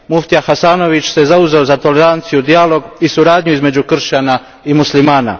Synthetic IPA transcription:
muft̪ijaxasaːno̞ʋit͡ɕsezauzeozat̪o̞le̞ɾant̪sijud̪ijalˠo̞ɡisuɾaːd̪ɲuizme̞d͡ʑukr̩ʃana | imuslimaːna̰

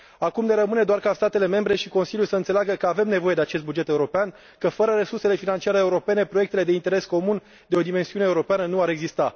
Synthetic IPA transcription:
akumd̪eɾəmɨne̞d̪oarkast̪at̪e̞le̞me̞mbɾe̞ʃiko̞nsiljulsəɨnt̪selaɡəkəave̞mne̞vo̞jed̪eat͡ʃe̞st̪̚bud͡ʒe̞t̪e̞uɾo̞pean | kəfəɾəɾe̞surse̞le̞finant͡ʃiaɾeːuɾo̞pe̞ne̞pɾo̞jekt̪e̞le̞d̪e̞int̪e̞ɾe̞sko̞mun | d̪eo̞d̪ime̞nsiuneːuɾo̞peanənuaɾe̞ɡzist̪a

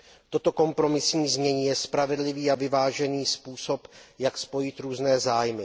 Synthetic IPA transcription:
t̪o̞t̪o̞ko̞mpɾo̞mɪsɲiːzmɲɛɲiːjɛspɾavɛdlɪviːavɪvaːʒɛniːspuːso̞pjakspo̞jɪt̪ɾuːznɛːzaːjmɪ

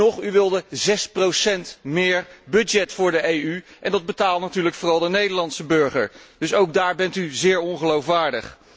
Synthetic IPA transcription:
ɔχyʋɪlˠdəzɛsprowsɛntmɪːɹbɵdd͡ʒɛtfʊːɹdəejyʔɛndɑd̚bətaːlˠtnatyːɹləkfʊːrɑlˠdənejdəɹlɑntsəbɵɹχə̰ɹd̥ɵsowɡ̚daːɹbɛntyzɪːɹɔnχəlowfʋaːɹdəχ

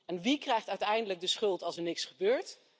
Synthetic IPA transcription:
ʔɛnʋikrɛjχtœɥtɛjndələɡ̚dəsχɵlˠtɑlˠsəɹnɪksχəbøːɹt

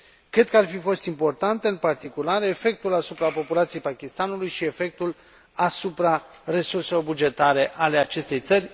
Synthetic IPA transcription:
kɾe̞d̪̚kəarfifo̞st̪impo̞rt̪ant̪eɨnpart̪ikulaɾefe̞k̚t̪ulasupɾapo̞pulat̪sijejpakʲist̪anulujʃie̞fe̞k̚t̪ul | asupɾare̞surse̞lo̞rbud͡ʒe̞t̪aɾe̞ʔale̞at͡ʃe̞st̪e̞jt̪sərʲ

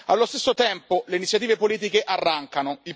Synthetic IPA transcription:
alːost̪esːot̪ɛmpoleinit̪sjat̪iːvepoliːt̪̬ikeʔarːaŋkanoil

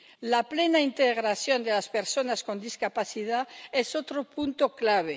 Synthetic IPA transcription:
laplenaint̪eɣɾasjond̪elaspeɾsonaskond̪iskapaθiðaesot̪ɾopunt̪oklaβ̞e

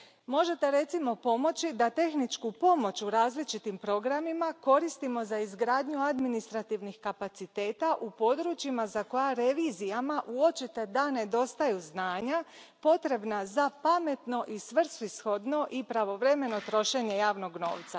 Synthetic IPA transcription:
mo̞ʒe̞t̪e̞ɾe̞t̪simo̞po̞mo̞t͡ʃid̪at̪e̞xnit͡ʃkupo̞mo̞t͡ʃuɾaːzlit͡ʃit̪impɾo̞ɡɾamimako̞ɾist̪imo̞zaizɡɾaːd̪ɲuad̪minist̪ɾat̪iʋnixkapat̪sit̪e̞ːt̪aʔupo̞d̪ɾut͡ʃimazako̞jaɾe̞ʋiːzijamaʔuo̞t͡ʃit̪e̞d̪ane̞d̪o̞st̪ajuznaːɲa | po̞t̪ɾe̞bnazapame̞t̪no̞ʔisʋr̩sisxo̞d̪no̞ʔipɾaʋo̞ʋɾe̞me̞no̞t̪ɾo̞ʃe̞ɲe̞jaːʋno̞ɡno̞̰ːʋt̪sa

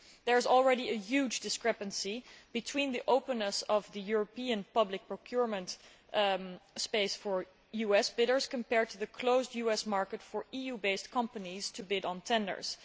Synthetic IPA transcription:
ðə˞ɨzl̩ˠɹɛɾiɨjʉd͡ʒdɨskɹɛpɨ̃nsib̥ɨtʰw̥ĩnðiʔoʊpə̃nəsʌvðɨjʊɹəpiɨ̃npʌblɪk̚pɹokʰj̥ʊɹmə̃nt | speɪsfə˞ | juɛsb̥ɪɾə˞z̥kə̃mpɛɹd̚tʰuðɨkʰloʊzdjʉɛsmɑɹkətfə˞ijubeɪstkʰʌ̃mpəniz̥tʰɨbɪɾn̩tʰɛ̃ndə̰˞z̥

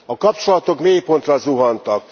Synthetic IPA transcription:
ɒkɒpt͡ʃo̞lɒt̪o̞kmeːjpo̞nt̪rɒzuɦɒnt̪ɒk

